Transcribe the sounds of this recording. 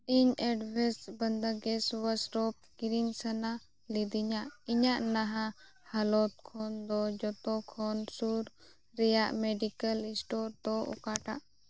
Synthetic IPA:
iɲɛɖbʱɛsbənd̪aɡɛswəsɾɔp̚ɡiɾinsana | lid̪iɲaʔiɲaʔnaɦã | halɔt̪̚kʰɔnd̪ɔd͡ʒɔt̪ɔkʰɔnsuɾ | ɾɛjaʔmɛɖikəlĩsʈɔɾd̪ɔʔɔ̰kaʈaʔ

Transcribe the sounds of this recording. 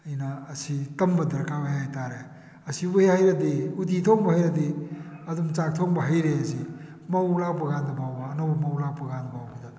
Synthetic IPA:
ɐjnɐːsitɐmbɐdɐɾkʰawajajtaɾe | ɐsibuehajɾɐdiuditʰoŋbɐhajɾɐd̪iɐdumt͡ʃak̚tʰoŋbɐɦɐjɾeɐzi | mɐwlapɐɡandɐbawbɐːnobɐmɐwlapɐɡandɐbawbɐdɐ

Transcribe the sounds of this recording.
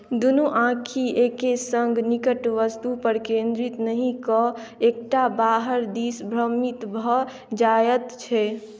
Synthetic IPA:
d̪unuʔãkʰiekesəŋɡnikəʈʋəst̪upəɾkẽnd̪ɾit̪nəɦĩkɔekʈabaɦəɾd̪isbʱɾəmit̪bʱɔ | d͡ʒajət̪t͡ʃʰɛ

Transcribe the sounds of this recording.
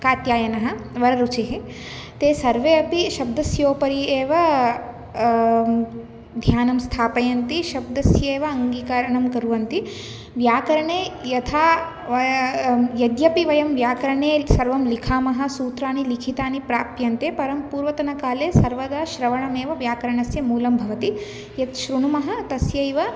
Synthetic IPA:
kaːt̪jaːjɐnɐɦɐ̆ʋɐɾɐɾut͡ʃeɦi | t̪eːsɐɾʋeːɐpiʃɐb̚d̪ɐsjoːpɐɾieːʋɐ | d̪ʱjaːnɐmst̪ʰaːpɐjɐnt̪iʃɐb̚d̪ɐsjeːʋɐɐŋɡiːkaɾɐɳɐmkɐɾuʋɐnt̪i | ʋjaːkɐɾɐɳeːjɐt̪ʰaː | jɐd̪jɐpiʋɐjɐmʋjaːkɐɾɐɳeːsɐɾʋɐmlikʰaːmɐɦɐ̆suːt̪ɾaːnilikʰit̪aːnipɾaːpjɐnt̪eːpɐɾɐmpuːɾʋɐt̪ɐnɐkaːleːsɐɾʋɐd̪aːʃɾɐʋɐɳɐmeːʋɐʋjaːkɐɾɐɳɐsjɐmuːlɐmbʱɐʋɐt̪i | jɐt̪ʃɾuɳumɐɦɐ̆t̪ɐsjɐjʋɐ

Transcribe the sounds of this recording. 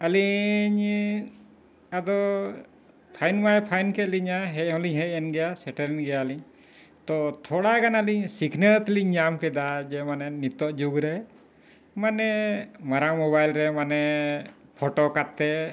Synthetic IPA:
əliɲ | ad̪ɔ | pʰajnmajɛpʰajnkɛliɲaɦɛc̚hɔ̃liɲɦɛc̚ɛnɡɛjasɛʈəɾɛnɡɛjaəliɲ | t̪ɔt̪ʰɔɽakanaəliɲsikʰnət̪liɲɲamkɛd̪ad͡ʒɛmanɛnit̪ɔʔd͡ʒuɡɾɛ | manɛmaɾawmɔbajlɾɛmanɛ | pʰɔʈokat̪ːɛ

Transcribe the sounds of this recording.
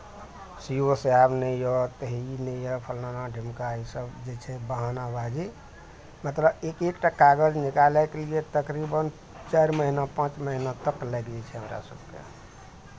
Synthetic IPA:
sioseabnəjjɔt̪əɦinəjɔpʰəlnanaɖʱimkaisəbd͡ʒet͡ʃʰɛbaɦanabad͡ʒi | mət̪ləbekekʈakaɡəd͡ʒnikalɛkeliet̪əkɾibən | t͡ʃaɾməɦinapãt͡ʃməɦinat̪əkːlɛɡd͡ʒɛt͡ʃʰɛɦəmɾa̰səbkḛ

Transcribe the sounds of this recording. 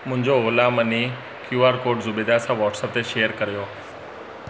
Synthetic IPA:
mʊ̃ɦɪ̃ɲd͡ʑoolaːməni | kjuːaːɾkoːɾɖzʊbeːd̪asãʋɔːʈsəp̚t̪eʃejəɾkəɾijoː

